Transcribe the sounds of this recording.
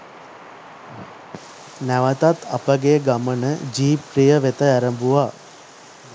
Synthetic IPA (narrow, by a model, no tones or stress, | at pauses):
næʋət̪at̪ʰapəɡeɡamənəd͡ʒiːprijəʋet̪əæɾəmbuʋaː